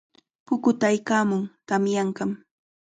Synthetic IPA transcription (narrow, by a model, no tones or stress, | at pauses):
pʊkʊt̪ajkaːmʊŋt̪amjaɴkɑm